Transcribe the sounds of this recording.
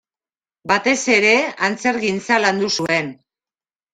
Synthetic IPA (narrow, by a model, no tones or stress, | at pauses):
bat̪e̞se̞ɾe̞ant͡se̞ɾɣint͡saland̪usue̞n